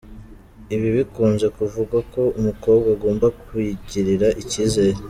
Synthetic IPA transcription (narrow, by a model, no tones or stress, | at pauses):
iβiβikuːnze̞kuvuɡako̞umuko̞ːbɡaɡo̞ːmbakuiɟiɾiɾaʔiciːze̞ːɾe